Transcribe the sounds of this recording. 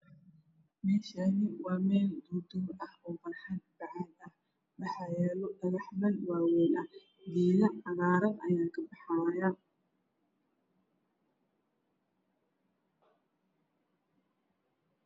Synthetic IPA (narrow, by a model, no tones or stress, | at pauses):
mɛːʃaːnɪwɑːmɛːld̪uːd̪ʊmɐhɔːfɐrħanb̥ɑʕad̪ɐh | mɑħɑjɛːlɔɖɐɣɐħmɐnwaːwɛːnɐh | d̪iːlɐɐɣaːɾɐnɐ̰jaːkʰɐbɑħaːjaː